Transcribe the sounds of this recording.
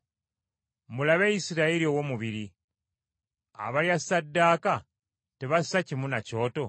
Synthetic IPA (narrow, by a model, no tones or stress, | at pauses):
mulaβejisiɾaiɾiowo̞muβiɾi | a̰βaljasadːaːka | teβassacimunaco̞ːto̞